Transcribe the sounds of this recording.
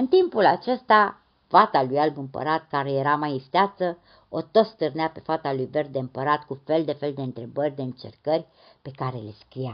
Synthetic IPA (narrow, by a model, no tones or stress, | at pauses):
ɨnt̪impulat͡ʃe̞st̪a | fat̪alujalbɨmpə̰ɾat̪̚kaɾe̞je̞ɾamajist̪eat̪sə | ot̪o̞t̪st̪ɨrneape̞fat̪alujve̞rd̪̚d̪eɨmpəɾat̪kufe̞ld̪e̞fe̞ld̪e̞ɨnt̪ɾe̞bərʲd̪e̞ɨnt͡ʃe̞̰rkərʲ | pe̞kaɾe̞le̞skɾija